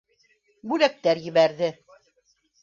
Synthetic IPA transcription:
bʉlæk̚t̪æɾjɘ̆βæɾðɘ

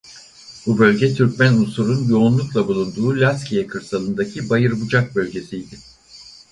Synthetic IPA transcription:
bubø̞lʲɟɛt̪ʰyɾcmænusuɾunjo̞ːnlˠuklˠabulˠund̪uːlʲascʲʰijɛkʰɯɾsalˠɯnd̪acʰibajɯɾbud͡ʒak̚bø̞lʲɟe̞sijd̪ɪ

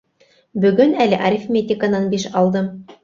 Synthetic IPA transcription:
bɵ̆ɡɵnælɘʔɐɾʲɪfmʲet̪ʲɪkənɑnbiʃɑlˠd̪ɤm

